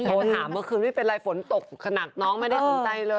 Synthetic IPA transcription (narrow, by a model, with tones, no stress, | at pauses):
oː˧t̪ʰa˩˦mːɯ˧kʰɯː˧ma˥˩pe˧nɾlaː˧jfo˩˦nt̪o˨˩k̚kʰːa˧na˨˩k̚nɔː˦˥ŋma˥˩jda˥˩so˧t͡ɕa˧jlɤː˧